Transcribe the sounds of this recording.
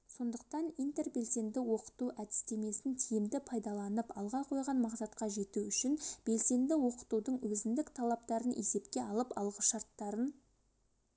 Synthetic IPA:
so̞nd̪əq̚t̪ɑnijnt̪e̞rbe̞lse̞nd̪ɪwo̞qə̥t̪uæd̪ɪ̥st̪e̞me̞sɪnt̪ʰijɪmd̪ɪpʰɑjd̪ɑlˠɑnəpɑlˠʁɑqʰo̞jʁɑnmɑqsɑt̪qɑʒe̞t̪uʏʃɪnb̥e̞lse̞nd̪ɪwo̞qə̥t̪ud̪əɴwɵzɪnd̪ɪkt̪ʰɑlˠɑp̚t̪ɑɾənʔe̞se̞pkʲe̞ɑlˠəpɑlˠʁəsʃɑɾt̪ːɑɾən

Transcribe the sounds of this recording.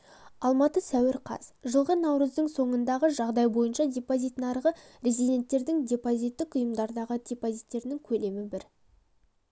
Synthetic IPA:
ɑlˠmɑt̪əsæwɪɾqʰɑ̰z̥ʒəlˠʁənɑwɾəzd̪əɴso̞ɴənd̪ɑʁəʒɑʁd̪ɑjbo̞jənʃɑd̪ʲe̞pozijt̪nɑɾʁə | ɾʲe̞zid̪ʲe̞nt̪ːe̞ɾd̪ɪŋd̪ʲe̞pozijt̪ːɪkʊjəmd̪ɑɾd̪ɑʁəd̪̥ʲe̞pozit̪ːe̞ɾnɪŋkʲʰɵle̞mɪbɪɾ

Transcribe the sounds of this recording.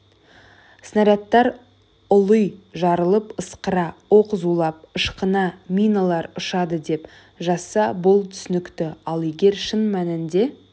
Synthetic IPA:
snɑɾɑt̪ːɑɾ | ʊlˠəjʒɑɾəlˠəpəsqəɾɑwo̞qəzulˠɑp̚əʃqənɑmʲijnalˠɑɾʊʃɑd̪əd̪e̞p | ʒɑsɑbʊlˠt̪ʰʏ̥sɪnɪkt̪ɪɑlˠeɡʲe̞ɾʃənmænɪnd̪e̞

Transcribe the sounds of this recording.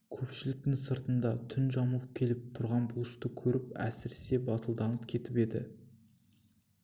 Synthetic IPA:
kʲʰɵpʃɪlɪk̚t̪ɪŋsəɾt̪ənd̪ɑt̪ʰʏnʒɑməlˠəp̚kʲʰe̞lɪp̚t̪ʰʊɾʁɑnbʊlˠəʃt̪əkʲʰɵɾɪp̚æ̰sɪɾe̥se̞bɑt̪əlˠd̪ɑnəpkʲʰe̞t̪ɪpe̞d̪ɪ̰

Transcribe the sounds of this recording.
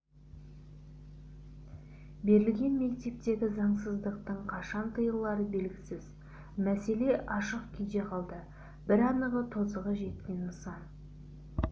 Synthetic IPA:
be̞ɾɪlɡʲe̞nme̞k̚t̪e̞p̚t̪e̞ɡʲɪzɑɴsəzd̪əq̚t̪əɴqʰɑʃɑnt̪ʰəjəlˠɑɾəbe̞lɡʲɪsɪz | mæse̞le̞ʔɑʃəqkʲʰijd̪e̞qʰɑlˠd̪ə | b̥ɪɾɑnəʁət̪ʰozəʁəʒe̞t̪kʲe̞nməsɑn

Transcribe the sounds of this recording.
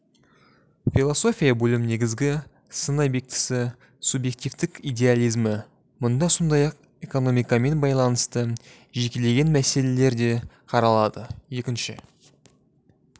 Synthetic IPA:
filˠo̞so̞fʲijabɵlɪmne̞ɡʲɪzɡʲɪ | sənɑjbe̞k̚t̪ɪ̥sɪ | subje̞k̚t̪ivt̪ɪkijd̪ʲe̞alˠijzmə | mʊnd̪ɑso̞nd̪ɑjɑq̚ | e̞ko̞no̞mijkɑme̞nbɑjlˠɑnəst̪ə | ʒe̞kʲe̞le̞ɡʲe̞nmæse̞le̞le̞ɾd̪e̞ | qʰɑɾɑlˠɑd̪əje̞kʲɪnʃɪ

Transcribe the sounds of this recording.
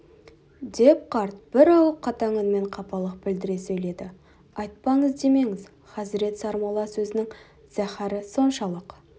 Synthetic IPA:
d̪e̞p̚qʰɑɾt̪̚b̥ɪɾɑlˠəqʰːɑt̪ɑŋənme̞ɴqʰɑpɑlˠəq̚bɪld̪ɪɾe̞sɵjle̞d̪ɪ | ɑjt̪̚pɑɴəzd̪e̞me̞ŋɪz | χɑzɪɾe̞t̪sɑɾmɑlˠɑsɵzɪnɪŋ | z̥æχæɾəso̞nʃɑlˠəq

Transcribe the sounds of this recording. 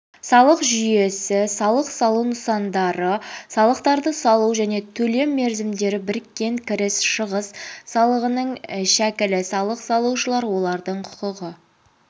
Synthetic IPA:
sɑlˠəqʒʏje̞sɪsɑlˠəqsɑlˠuwnʊsɑnd̪ɑɾəsɑlˠəqt̪ɑɾd̪əsɑlˠuwʒæne̞t̪ʰɵle̞mːe̞ɾzɪmd̪e̞ɾɪbɪɾkʲːe̞ŋkʲʰɪɾɪsʃəʁəsːɑlˠəʁənəɴʃækʲɪlɪsɑlˠəqsɑlˠuʃəlˠɑɾwo̞lˠɑɾd̪əɴqʰʊ̥qəʁə

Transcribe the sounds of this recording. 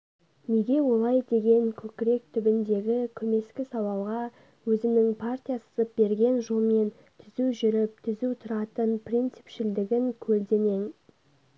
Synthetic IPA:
ne̞ɡʲe̞wo̞lˠɑjd̪e̞ɡʲe̞ŋkʲʰɵkʲɪɾe̞k̚t̪ʰʏbɪnd̪e̞ɡʲɪkʲʰɵme̞skʲɪsɑw̪ˠɑlˠʁɑ | wɵzɪmnɪŋpʰart̪ʲijasə̥zəp̚be̞ɾɡʲe̞nʒo̞lˠme̞n | t̪ʰɪzuʒʏɾɪp̚t̪ʰɪzut̪ʰʊɾɑt̪ənprʲint̪sɪ̥pʃɪld̪ɪɡʲɪŋkʲʰɵld̪e̞ne̞ŋ

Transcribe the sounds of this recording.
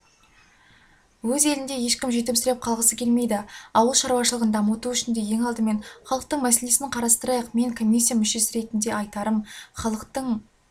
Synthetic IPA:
wɵze̞lɪnd̪e̞je̞ʃkʲɪmʒe̞t̪̬ɪpsʏɾep̚qʰɑlˠʁəsəkʲʰe̞lme̞jd̪ɪɑwəlˠʃɑɾuwɑʃəlˠəʁənd̪ɑmʊt̪uʏʃɪnd̪e̞je̞ŋɑlˠd̪əme̞nχɑlˠəq̚t̪əɴmæse̞le̞sɪnɪqʰɑɾɑst̪əɾɑjɑqme̞ŋkʰo̞mʲijsːijamʏʃe̞sɪɾe̞t̪ɪnd̪e̞ɑjt̪ɑɾəmχɑlˠəqt̪əɴ

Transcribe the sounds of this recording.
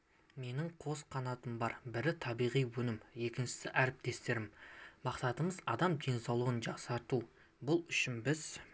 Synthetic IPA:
me̞nɪɴqʰo̞sqʰɑnɑt̪əmbɑɾbɪɾɪt̪ʰɑbijʁijwɵnɪmje̞kʲɪnʃɪ̥sɪʔæɾɪp̚t̪e̞st̪e̞ɾɪmmɑqsɑt̪əməzɑ̰d̪ɑmd̪e̞nsɑwlˠəʁənʒɑqsɑɾt̪u | bʊlˠʏʃɪnbɪz

